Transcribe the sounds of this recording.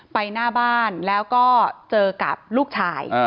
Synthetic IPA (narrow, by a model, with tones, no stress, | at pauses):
pa˧jnaː˥˩baː˥˩nlɛː˦˥wkɔː˥˩t͡ɕɤː˧ka̰˨˩p̚luː˥˩k̚t͡ɕʰaː˧j